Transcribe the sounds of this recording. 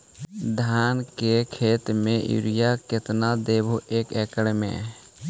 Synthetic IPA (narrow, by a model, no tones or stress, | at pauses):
d̪ʱaːnkekʰeːt̪mẽjṵɾijakɪt̪nad̪eːbʱuʔeːkeːkəɽmḛ̃